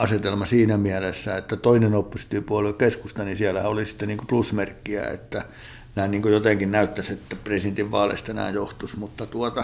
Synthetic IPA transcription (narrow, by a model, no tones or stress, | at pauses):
ɑset̪elmɑsiːnæmiælesːæet̪ːæt̪oinenopːust̪ːipuɑlekeskust̪ɑnisiælːæhæolisi̥t̪ːeniːŋkoplusmerkːiæ̰ḛt̪ːæ | næinniːŋkojot̪eŋkinnæyt̪ːæset̪ːæpresient̪iʋʋɑːlḛist̪enæ̰ːjjoht̪usmut̪ːɑt̪uɔt̪ɑ